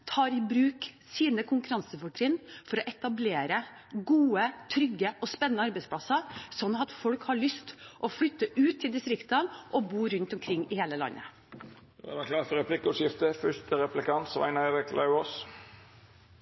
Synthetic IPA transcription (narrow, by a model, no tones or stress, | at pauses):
t̪ʰɑːɾɪbɾʉːksiːnəkʰʊŋkʉɾɑnsəfʊʈɾɪːnfɔɾɔʔɛt̪ɑbleːɾə | ɡuːət̪ʰɾʏɡːəʔɔspɛnənəɑɾbɛɪspʰlɑsɑsɔnːɑt̪fɔɽkhɑɭʏst̪ʔɔfɽʏt̪ːəʔʉːt̪ʰːɪld̪ɪst̪ɾɪkt̪ənʔɔbuːɾʉnt̪ɔmkʰɾɪŋːɪheːləlɑ̰nːʔə̰ | æ̰ɾɛkʰlɑːfɔɾɛpʰlɪkːɔʂjɪft̪əfœʂt̪əɾɛplɪkʰɑnt̪sʋæ̰ɪnəɛɾɪkʰlʔɑʉoːs